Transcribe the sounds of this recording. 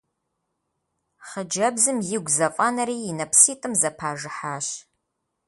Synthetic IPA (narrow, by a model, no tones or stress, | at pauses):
χəd͡ʒɐbzɨmjɪɡʷzɐfʼɐnɐɾiːɪnɐpʰsiːtʼɨmzɐpʰaːʒɨħaːɕ